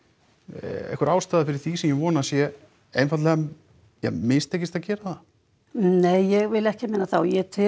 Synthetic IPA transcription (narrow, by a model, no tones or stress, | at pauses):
ḛhkʏɾaːwst̪aːðafɪɾɪɾ̥θisɛmjɛvɔːnasjɛ | ejnfat̪lɛɣa | ja̰mɪnst̪ʰehcːɪst̪acɛːɾaθa | neːjːɛɣvɪlɛhcɪmeːnaθawjɛt̪ʰɪ